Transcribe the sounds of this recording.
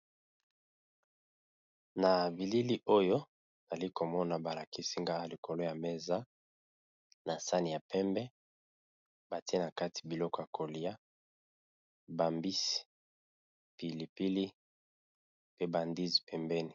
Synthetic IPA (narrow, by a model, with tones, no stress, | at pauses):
na˨bi˨li˦li˦ʔo˦jo˦˨ | za˨li˦ko˨mɔ˦na˨ba˨la˨ki˦si˦ŋɡa˦a˦˨li˨ko˨lo˦ja˨me˦za˦ | na˨sa˦ni˨ja˨pɛ˦mbɛ˦ | ba˨ti˦e˦na˨ka˦ti̥˨bi˨lɔ˦kɔ˦ja˨kʰo˨li˦a˦ | ba˨mbi˦si̥˨ | pi˨li˨pi˦li˦ | pe˦ba˨ndi˦zi˨pʰɛ˨mbɛ˦ni˨